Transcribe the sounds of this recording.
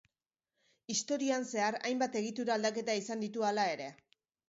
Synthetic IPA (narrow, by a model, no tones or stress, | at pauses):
ist̪o̞ɾioanse̞aɾa̰jmbat̪e̞ɣ̞it̪uɾaːld̪ake̞t̪aisand̪it̪ualae̞ɾe̞